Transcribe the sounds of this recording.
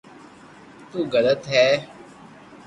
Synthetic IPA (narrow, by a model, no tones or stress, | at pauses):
t̪uːɡələt̪ɦɛː